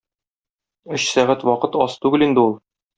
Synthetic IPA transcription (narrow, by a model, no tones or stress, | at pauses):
ɵɕsæʁæt̪wɒqɤt̪ɒst̪ʉɡɘlind̪ɘulˠ